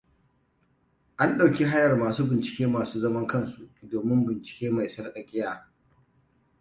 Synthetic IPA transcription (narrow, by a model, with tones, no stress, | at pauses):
ʔa˦nɗa˨wkʲi˦ɦa˦jɐ˨rmaː˨suː˦bɪ˨nt͡ʃɪ̥˨kʲeː˦maː˨suː˦zɐ˦mɐ˦ŋkɐ˦˨nsu˨ʔdoː˨mɪ˦mbɪ˨nt͡ʃɪ̥˨kʲeː˦ma˨jsɐ˦rɗɐ˨kʲʼɪ˦jaː˦